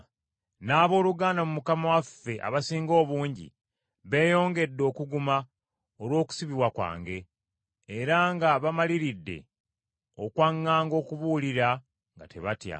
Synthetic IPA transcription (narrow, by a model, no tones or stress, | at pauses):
naːβo̞ːluɡaːndamumukamawafːe̞ʔa̰βasiːŋɡo̞ːβuːɲɟḭ | βe̞ːjo̞ːŋɡe̞dːo̞ːkuɡuma | olwo̞ːku̥siβiβwakwa̰ːŋɡe̞ː | ɾaŋɡaβamaliɾidːe̞̰ | o̞kwaŋːaːŋɡo̞ːkuβuːliɾa | ŋɡa̰te̞βatja̰